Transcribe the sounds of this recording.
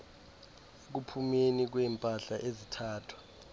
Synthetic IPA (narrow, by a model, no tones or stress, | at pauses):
k̬upʰumenik̬wɛːmpʼaɬaʔezitʰaːtʰwḁ